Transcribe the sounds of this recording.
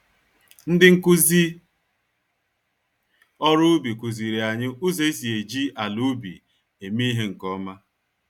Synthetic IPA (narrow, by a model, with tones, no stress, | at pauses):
n̩˦dɪ˦ŋ̩˦˨ku˦zi˦ | ɔ˦ɾʊ˦bi˨ku˨zi˨ɾi˨a˨ɲɪ˦u˦ze˦i˦si˨e˨d͡ʒi˦ʔa˨lu˦bḭ˨ | e˨mi˦ɦe˦ŋ̩˨kɔ˦ma˦